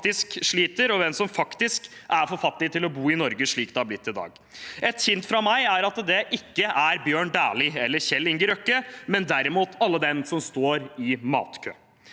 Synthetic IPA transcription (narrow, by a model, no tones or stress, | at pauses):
t̪ɪskʂɭiːt̪əɾɔʋɛnsɔmfɑkt̪ɪskʔæɾfɔɾfɑt̪ːɪt̪ʰɪlɔbuːɪnɔɾɡəʂɭiːk̚d̪ɛhɑɾblɪt̪ːɪd̪ɑ̰ːɡ | ʔɛt̪çɪnt̪fɾɑmæɪæɾɑt̪d̪ɛʔɪkːəʔæɾbjøːɳd̪æːɭɪɛlːəɾçɛlːɪŋɡəɾœkːəmɛnd̪æɾɪmuːt̪ʰɑlːəd̪ɛnsɔmst̪oːɾɪmɑ̰ːt̪kʰø̰ː